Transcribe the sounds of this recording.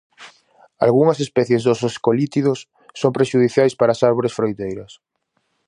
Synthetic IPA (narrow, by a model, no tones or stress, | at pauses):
a̰lɣuŋɐsespɛθjezðososkolit̪iðosː | oŋpɾeʃuðiθjajspaɾaːsaɾβoɾesfɾojt̪ejɾɐs